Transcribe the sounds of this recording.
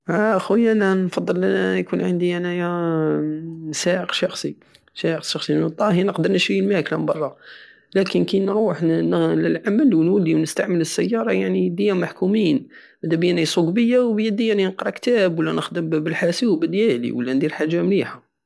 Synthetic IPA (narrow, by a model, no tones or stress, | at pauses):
hæxwəjːʔænænfɑd̪ˤːəlʔænæjkunʕənd̪iænæjæ | sæəqʃɑxsˤi | sæəqʃɑxsˤit̪ˤːɑhinəqd̪əɾˤnəʃɾilmæklæmbɑrˤːɑ | lækənkinɾuħnləlʕaməlwnwælːiwnəst̪aʕmələsːæjːɑɾˤɑjaʕnid̪əjːamaħkumiːn | mæd̪æbəjæʕnisˤoɡbəjːawbjəd̪ːijaʕninəqɾˤɑkt̪æbwəlːænəxd̪əmbəlħasiwbəd̪jælḭwəlːænd̪iɾħaʒːamliħa